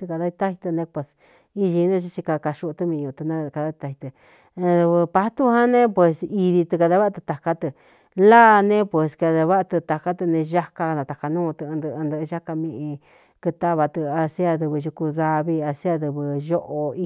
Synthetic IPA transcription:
t̪ɨ˧ka˧ða˧˦i˧t̪a˦hi˧t̪ɨ˧nẽ˧pwe˧˨s | i˧ʒi˧nũ˦˧t͡ʃi˧t͡ʃi˧ka˧ka˧ʃu˧t̪ɨ˧mĩ˧ũ˧˨˧t̪ɨ˧nã˦˧ka˧ða˧˦i˧t̪a˧i˧t̪ɨ˧ | ðɨ˧βɨ˧pa˧˦t̪u˦ɦã˦nẽ˦pwe˧si˧ði˧t̪ɨ˧ka˧ða˧˦βa˦˧t̪ɨ˧t̪a˧ka˦t̪ɨ˧ | laː˦˧nẽ˦pwe˧ska˧ða˧βa˦˧t̪ɨ˧t̪a˧ka˦t̪ɨ˧nẽ˧ʒa˦ka˧nã˨˧t̪a˨ka˧nũː˦˧t̪ɨ̃˧nd̪ɨ˧nd̪ɨ˧ʒa˦ka˧mĩ˧ʔĩ˧ | kɨ˧t̪a˦βa˧t̪ɨ˧a˧si˦a˧ðɨ˧βɨ˧ʒu˧ku˧ða˧βi˧a˧si˦a˧ðɨ˧βɨ˧ʒo˦ʔo˧i˧

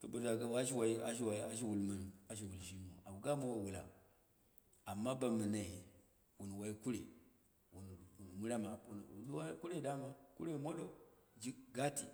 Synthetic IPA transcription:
to˨bo˨za˨ɡa˦wa˦ʃ̬i˦wa˨i˦a̰˨ʃ̬i˦wa˨i˦a˦ʃ̬i˦wu˨lma˦n˨a˨ʃ̬i˦wu˨lʃi˦mo˨a˨u˨ɡa˦ma˦wa˨wu˨la̰˨ | a˨mːa˦ba˨mə˨na˨i˨ | wu˨n˨wa˨i˦ku˦ɾḛ˨ | wu˨n˨mu˦ɾa˦ma˨wu˨n˨˦wa˦ku˦ɾe˦˨da˦ma˦kṵ˦ɾe˦˨mo˦ɗo˨d͡ʒi˦ɡa˦tḭ˨

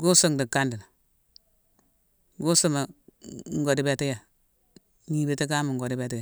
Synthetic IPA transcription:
ɡu˦so˦ŋdi˨ka˦ndi˨n˨ | ɡu˦su˦ma˨ŋ˦ɡo˨di˦be˦ti˦ja˨ | ɲi˦be˦te˦ka˦ma˨ŋɡo˨di˦be˦ti˦ja˨

